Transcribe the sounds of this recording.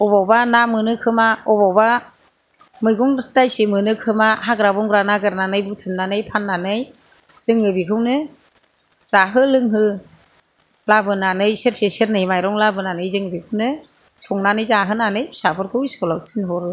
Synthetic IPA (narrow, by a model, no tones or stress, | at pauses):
ɔbɔbanamɯnɯkʰɯmaɔbɔwba | mɯjɡɔŋtajsemɯnɯkʰɯmaɦaɡɾabɔŋɡɾanaɡɯɾnanɯjbutʰɯmnanɯjpʰanːanɯj | z̥ɯŋɯbikʰɯwnɯ | z̥aɦɯlɯŋɦɯ | labɯnanɯjseɾseseɾnɯjmajɾɔŋlabɯnanɯjzɯŋɯbikʰɯwnɯ | sɔŋnanɯjzaɦɯnanɯjsapʰɯɾkʰɯwsɔlɔktʰinɦɔɾɯ